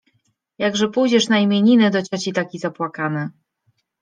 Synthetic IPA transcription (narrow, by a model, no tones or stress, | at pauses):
jaɡʐɛpujd͡ʑɛʂnaimʲjeɲinɘd̪ɔt͡ɕɔt͡ɕit̪akʲizapwakanɘ